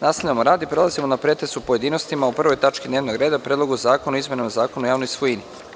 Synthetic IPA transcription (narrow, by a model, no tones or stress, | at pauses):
naːsaamoɾaːd̪ipɾe̞lˠazimo̞napɾe̞t̪est̪upo̞je̞d̪iːnost̪imaupr̩ʋo̞jt̪at͡ʃkid̪neːʋnoɡɾed̪apɾed̪lˠo̞ɡuzaːkonuizme̞nomozaːkonujaːʋnojsʋojini